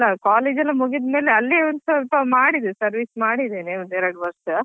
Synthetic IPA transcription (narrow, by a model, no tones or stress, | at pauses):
lːɐkaːleːd͡ʒɐlːɐmuɡid̪me̞ːleɐlːeɐnd̪sʋɐlpɐmaːɽid̪esɐɾʋismaːɽid̪eːnemɐnd̪ɛɾɐɽʋɐɾs